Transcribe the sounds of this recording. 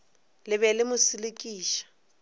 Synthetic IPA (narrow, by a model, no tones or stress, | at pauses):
lɪβɛlɪmʊsilɪkʼiːʃḁ